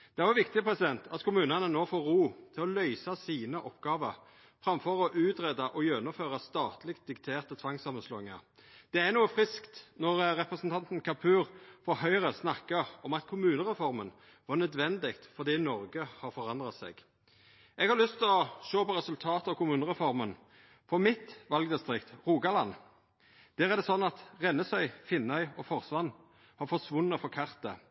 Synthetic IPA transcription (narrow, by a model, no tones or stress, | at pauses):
d̪̥ɛæʁʋʊʋɪkt̪ɪpʰʁɛsɪd̪ɛnt̪ʰɑt̪kʰʊmʉːnɑnənoːfoːɾuːt̪ʰɪlɔlœʏsɑsiːnəʔɔpɡɑːʋəʁ | fɾɑmfɔʁɔʔʉːt̪ɾeːd̪ɑʔɔjɛnʊmføːʁɑst̪ɑːt̪lɪkt̪̚d̪ɪkt̪ʰeːʁt̪ət̪ʰʋɑŋsɑːmːənsloːɪŋɑ̰ʁ | d̪̥ɛænuːəfʁɪskt̪nɔʁɾɛpʁɛsn̩t̪ʰɑnt̪n̩kʰɑpʰʉːʁfɔhœʏʁəsnɑkːəʁɔmɑt̪kʰʊmʉːnəʁɛfɔʁmən | ʋɑnœd̪ʋɛnd̪ɪkt̪fɔɾd̪iːnɔɾɡəhɑɾfɔɾɑnd̪ʁɑt̪sɛ̰ɡ̥ | ʔɛɡhɑɾlʏst̪ʰlɔʃoːpɔɾɛsʉlt̪ʰɑːt̪əɑʋkʰʊmʉːnəʁɛfɔɾmən | fɔmɪt̪ʋɑlɡd̪ɪst̪ʁɪkt̪ʁuːɡɑlɑnː | d̪̥æːɾæɾd̪ɛsɔnːɑt̪ʁɛnːəsœʏfɪnːœʏɔfɔʁsʋɑn | hɑɾfɔsʋʊnːəfɔɾkʰɑʁt̪ə̰